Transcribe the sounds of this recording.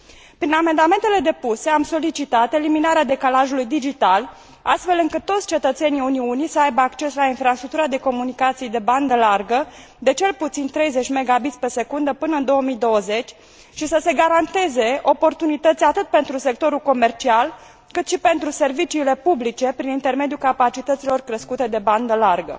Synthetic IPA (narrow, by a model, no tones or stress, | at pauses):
pɾiname̞nd̪ame̞nt̪e̞le̞d̪e̞puse̞amso̞lit͡ʃit̪at̪e̞liminaɾead̪e̞kalaʒulujd̪id͡ʒit̪al | a̰st̪fe̞lɨŋkɨt̪ːo̞t̪sʲt͡ʃe̞t̪ət̪se̞niuniunisəajbəakt͡ʃe̞slainfɾast̪ɾuk̚t̪uɾad̪e̞ko̞munikat̪sijd̪e̞band̪əlarɡə | d̪e̞t͡ʃe̞lput̪sint̪ɾe̞jze̞t͡ʃʲme̞ɡabit̪sʲpe̞se̞kund̪əpɨnəɨnd̪o̞omijd̪o̞wəze̞t͡ʃʲ | ʃisəse̞ɡaɾant̪e̞ze̞ʔo̞po̞rt̪unit̪ət̪sʲat̪ɨt̪̚pe̞nt̪ɾuse̞k̚t̪o̞ɾulko̞me̞rt͡ʃial | kɨt̪ʃipe̞nt̪ɾuse̞rvit͡ʃiːle̞publit͡ʃe̞pɾinint̪e̞rme̞d̪ijulkapat͡ʃit̪ət̪silo̞rkɾeskut̪e̞d̪e̞band̪əlarɡə̰